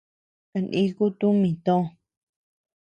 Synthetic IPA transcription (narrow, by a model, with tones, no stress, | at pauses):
ka˧˨nʔĩ˧ku˦t̪ũ˦mĩ˨t̪õ˦˧˨